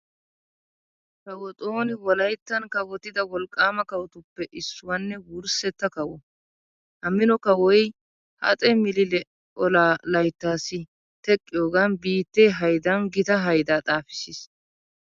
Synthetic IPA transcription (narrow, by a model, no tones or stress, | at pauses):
kɐwɔt̪ʼoːnɪwɔlɐjt̪ːɐnkɐwɔt̪ɪd̪ɐwɔlkʼːaːmɐkɐwɔt̪ʊpːɛʔɪsːʊwɐnːɛwʊɾsɛt̪ːɐkɐwɔ | hɐmːɪnɔkɐwɔj | hɐ̰t͡sʼɛmɪlɪlɛ | ɔlaːlɐjt̪ːaːsɪ | t̪ɛkʼːɪjoːɡɐnbiːt̪ːeːɦɐjd̪ɐnɡɪt̪ɐɦɐjd̪aːt̪ʼaːfɪ̥sɪs